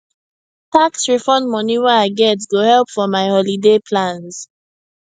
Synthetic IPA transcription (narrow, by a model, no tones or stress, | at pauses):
taksɹifɔ̃nmɔniwɛaɪɡɛtɡohɛlˠpfɔmaɪhɔlidepʰlãnz̥